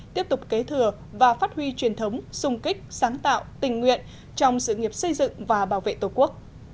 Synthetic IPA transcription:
t̪i˦˥əp̚t̪ʊ˨˩k͡p̚ke˨˦t̪ʰɨ˨˩ə | vaː˨˩faː˦˥t̚hwi˧t͡ɕwi˨˩ənt̪ʰə˨˦wŋ͡msʊ˧ŋ͡mkï˦˥k̟̚saː˨˦ŋt̪a̰ː˧˨wt̪ï˨˩ŋ̟ːŋwḭ˧˨ən | t͡ɕɔ˧wŋ͡msɨ̰˧˨ŋi˨˩əp̚sə˧jzɨ̰˧˨ŋvaː˨˩ɓaː˧˩wvḛ˧˨t̪o˨˩jku˦˥ək̚

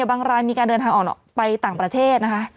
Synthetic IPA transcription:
baː˧ŋɾaː˧jmiː˧kaː˧ndɤː˧nt̪ʰaː˧ŋʔːnɔ̰˨˩pa˧jt̪aː˨˩ŋpɾa˧t̪ʰeː˥˩t̪̚na˦˥kʰa˦˥ʔ

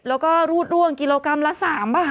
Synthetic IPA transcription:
lɛː˦˥wkɔː˥˩ɾuː˥˩t̪̚ɾu˥˩əŋki˧loː˧ka˧mla˦˥saː˩˦mbaː˥˩

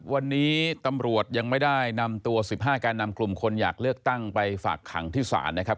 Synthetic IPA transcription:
wa˧nːiː˦˥t̪a˧mɾu˨˩ət̪̚ja˧ŋma˥˩jda˥˩jna˧mt̪u˧ɐsi˨˩p̚ɦaː˥˩kaː˧nːa˧mklu˨˩mkʰo˧nja̰ː˨˩k̚lɯ˥˩ək̚t̪a˥˩ŋpa˧jfa̰ː˨˩kʰːa̰˩˦ŋt̪ʰiː˥˩sa̰ː˩˦nːa˦˥kʰa˦˥p̚

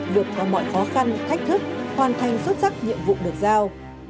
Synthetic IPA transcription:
lɨ˨˩t̚kɔ˨˦mɔ̰˧˨jxɔ˨˦xa˧nt̪ʰa˦˥k̟̚t̪ʰɨ˦˥k̚hwaː˨˩nt̪ʰa˨˩jŋ̟swə˦˥t̚sa˦˥k̚ɲḭ˧˨əmvṵ˧˨ɗɨ˨˩ək̚zaː˧w

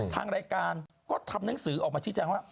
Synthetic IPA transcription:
t̪ʰa̰ː˧ŋɾaː˧jkaː˧n | kɔː˥˩t̪ʰa˧mna˦˥˦ŋsɯː˩˦ʔɔː˨˩k̚mː˧t͡ɕʰɯ˥˩t͡ɕɛː˧ŋwaː˥˩

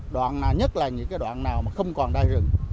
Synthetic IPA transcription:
ɗwa̰ː˧˨nnaː˨˩wɲə˦˥t̚laː˨˩ɲɨ̰˧˥ŋkaː˨˦jɗwa̰ː˧˨nnaː˨˩wmaː˨˩xə˧wŋ͡mkɔ˨˩nɗaː˧jzɨ̰˧˨ŋ

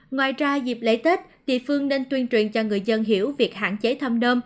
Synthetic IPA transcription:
ŋwaː˨˩jzaː˧zi˨˩p̚lḛ˧˥t̪e˦˥t̚t̪ḭ˧˨fɨ˧əŋne˧nt̪wi˧ənt͡ɕwḭ˨˩ənt͡ɕɔ˧ŋɨ˨˩əjzə˧nɦḭ˧˩˥əwvi˨˩ək̚ha̰ː˧˨nt͡ɕe˨˦t̪ʰə˧mnəː˧m

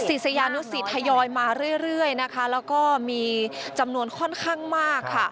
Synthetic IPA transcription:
si˨˩sa˧jaː˧nu˦˥si˨˩t̪ʰːa˧jɔː˧jmaː˧ɾɯ˥˩əjɾɯ˥˩əjna˦˥kʰa˦˥lɛː˦˥wkɔː˥˩miː˧t͡ɕa˧mnu˧ənkʰɔ˥˩nkʰaː˥˩ŋmaː˥˩kʰːa˥˩

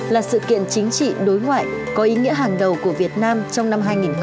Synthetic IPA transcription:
laː˨˩sɨ̰˧˨kḭ˧˨ənt͡ɕï˨˦ŋ̟t͡ɕḭ˧˨ɗo˨˦jŋwa̰ː˧˨j | kɔ˨˦ʔi˨˦ŋḭ˧˥əɦaː˨˩ŋɗə˨˩wku˧˩əvi˨˩ət̚naː˧mt͡ɕɔ˧wŋ͡mna˧mɦaː˧jŋi˨˩nx

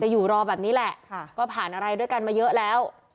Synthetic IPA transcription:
t͡ɕa˨˩juː˨˩ɾɔː˧bɛː˨˩niː˦˥lɛ˨˩ʔʰkɔː˥˩pʰaː˨˩nʔa˧ɾa˧jdu˥˩əjka˧nmaː˧jɤ˦˥ʔlɛː˦˥w

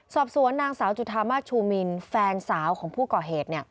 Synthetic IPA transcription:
sɔː˨˩p̚su˩˦ənːaː˧ŋsaː˩˦wt͡ɕu˨˩t̪ʰːaː˧maː˥˩t̪̚t͡ɕʰuː˧mi˧nfɛː˧nsaː˩˦wkʰɔː˩˦ŋpʰuː˥˩kɔː˨˩ɦeː˨˩t̪̚ni˥˩ə

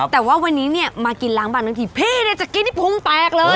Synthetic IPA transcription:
t̪ɛː˨˩waː˥˩wa˧nːiː˦˥ni˥˩ɐmaː˧ki˧nlaː˦˥ŋbaː˧˩naː˧ŋt̪ʰi˧˩pʰeː˧˥˩ni˥˩t͡ɕa˨˩kːi˧nt̪iː˥˩pʰo˧˥ŋt̪ɛː˨˩k̚lɤː˧

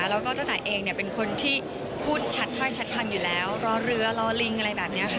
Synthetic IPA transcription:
ɾlɛː˦˥wkɔː˥˩t̪a˥˩t̪ɛː˨˩ʔeː˧ŋni˥˩ɐpe˧nkʰo˧nt̪ʰiː˥˩ | pʰuː˥˩t̪̚t͡ɕʰa˦˥t̪̚ʰːɔː˥˩jt͡ɕʰa˦˥t̪̚k̪ʰa˧mjuː˨˩lɛː˦˥wɾɔː˧˥ɾɯ˦˥ɐ˧lɔː˧li˧˦ŋʔa˧ɾa˧jbɛː˨˩p̚ni˦˥ɐ˧xʰ

